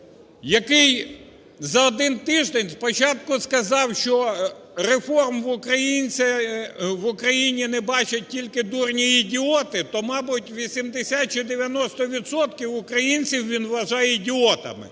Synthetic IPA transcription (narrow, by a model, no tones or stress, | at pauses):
jɐkɪj | zɐɔd̪ɪnt̪ɪʒd̪enʲspɔt͡ʃɑt̪̚kʊskɐzɑwʃt͡ʃɔ | ɾefɔrmʋʊkɾɐjinʲt͡sʲɐʋʊkɾɐjinʲinɛbɑt͡ʃɐt̚ʲtʲːilʲkɪd̪urnʲiːdʲɪɔt̪ɪt̪ɔmɑbʊtʲʋʲisʲimd̪ɪsʲat̚t͡ʃid̪eʋʲjɐnɔst̪ɔʋʲid̪sɔt̪kʲiwʊkɾɐjinʲt͡sʲiwʋʲinʋʋɐʒɑjɛidʲɪɔt̪ɐ̰mɪ̰